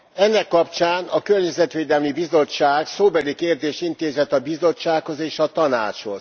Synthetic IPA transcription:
ɛnːɛkːɒpt͡ʃaːnɒkø̞rɲɛzɛt̪ʋeːd̪ɛlmibizo̞t͡ʃːaːɡsoːbɛlikeːrd̪eːʃint̪eːzɛt̪ɒbizo̞t͡ʃːaːkho̞zeːʃɒt̪ɒna̰ːt͡ʃho̞̰z̥

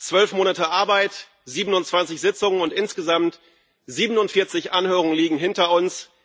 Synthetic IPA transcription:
t͡sv̥œlfmoːnatəʔaɐbaɪt | z̥iːbənʊntt͡sv̥ant͡sɪçz̥ɪt͡sʊŋənʊntʔɪnsɡ̥əzamt | z̥iːbənʊntfɪɐt͡sɪçʔanhøːʁ̞ʊŋənliːɡŋ̩ɦɪntɐʊns

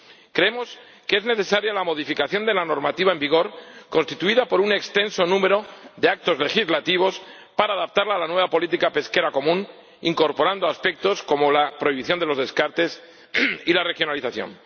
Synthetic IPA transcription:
kɾe̞emo̞s | kee̞zne̞θe̞saɾjalamo̞ðifikaθjo̞nd̪e̞lano̞ɾmat̪iβae̞mbiɣ̞o̞ɾko̞nst̪it̪uiðapo̞ɾune̞kst̪e̞nso̞nũme̞ɾo̞ðe̞ak̚t̪o̞zle̞xizlat̪iβ̞o̞s | paɾaːðap̚t̪aɾlalanwe̞βapo̞lit̪ikape̞ske̞ɾako̞mũn | iŋko̞ɾpo̞ɾand̪oaspe̞k̚t̪o̞sko̞mo̞lapɾo̞iβiθjo̞nd̪e̞lo̞zðe̞skaɾt̪e̞s | ilare̞xjo̞naliθaθjo̰n

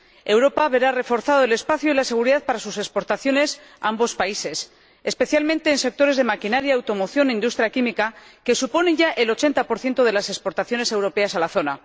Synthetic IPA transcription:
ewɾo̞paβe̞ɾare̞fo̞ɾθaðoele̞spaθjoilase̞ɣ̞uɾiðaðpaɾasuse̞kspo̞ɾt̪aθjo̞ne̞s | aambo̞spaise̞s | espe̞θjalmẽnt̪e̞ːnse̞k̚t̪o̞ɾe̞zð̞e̞makinaɾjaːwt̪o̞mo̞θjo̞nind̪ust̪ɾjakimikake̞supo̞ne̞ʝaʔe̞lo̞t͡ʃe̞nt̪apo̞ɾθje̞nt̪o̞ðe̞lasespo̞ɾt̪aθjo̞ne̞se̞wɾo̞pe̞asalaθo̞na

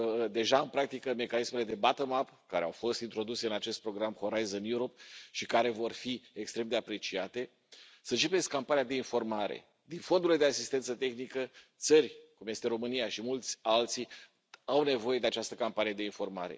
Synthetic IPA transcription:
d̪e̞ʒaɨnpɾak̚t̪ikəme̞kanisme̞le̞d̪e̞bat̪əmapkaɾe̞a̰wfo̞st̪int̪ɾo̞d̪use̞ɨnat͡ʃe̞st̪̚pɾo̞ɡɾamxo̞ɾajzonjuɾo̞pʃikaɾe̞vo̞rfiekst̪ɾe̞md̪e̞apɾe̞t͡ʃiat̪e̞ | sənt͡ʃe̞peskʲkːampanijad̪e̞info̞rmaɾe̞̰ | d̪info̞nd̪ule̞d̪easist̪e̞nt̪sət̪e̞xnikət̪sərʲkumje̞st̪e̞ɾo̞mɨnijaʃimult̪sʲalt̪si | awne̞vo̞je̞d̪e̞at͡ʃast̪əkampanijed̪e̞info̞rma̰ɾe̞̰

